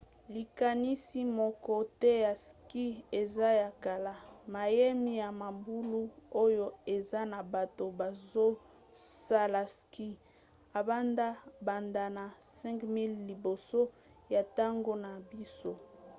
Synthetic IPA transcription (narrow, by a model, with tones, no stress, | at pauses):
li˨ka˨ni˦si˦mɔ˨kɔ˦tɛ˦ja˨ski˦e˨za˦ja˨ka˨la˨ma˨je˦mi˦ja˨ma˨mbu˦lu˦o˦jo˦e˨za˦na˨ba˨to˨ba˨zo˦ | sa˦la˨ski˦ | a˨ba˦nda˦ba˨nda˨na˨sɛ̃˦ŋkmi˦lːi˨bo˨so˦ | ja˨ta˦ŋɡo˦na˨bi˦so˦